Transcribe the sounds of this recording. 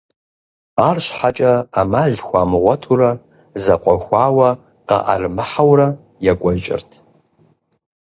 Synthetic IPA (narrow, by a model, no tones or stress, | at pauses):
aːrɕħat͡ʃʼɐːmaɮxʷamɨʁʷɔtʰuɾɐ | zɐqʷʼɔxʷaːwɐ | qɐ̰ʔa̰rmɨħawrɐ | jakʷʼɔt͡ʃʼɪ̰rtʰ